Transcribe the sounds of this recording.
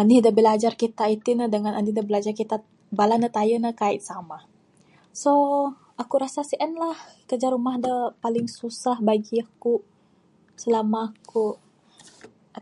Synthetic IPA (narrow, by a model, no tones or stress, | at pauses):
anidabəlad͡ʒarkit̪ait̪inədəŋanʔanidabəlad͡ʒarkit̪a | balanət̪ajənəkait̪sama | so | akuɾasasiʔənlahkərd͡ʒarumahdəpalɪŋsusahbaɡiaku | səlamaku